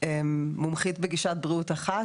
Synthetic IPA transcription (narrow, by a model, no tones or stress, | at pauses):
emːumχit̪beɡiʃat̚bʁiut̪aχa